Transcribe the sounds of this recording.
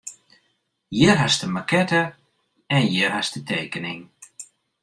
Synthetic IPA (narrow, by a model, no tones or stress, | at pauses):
jɪrɦastəmakʰɛtə | ɛnjɪrhastətʰeːkənɪŋ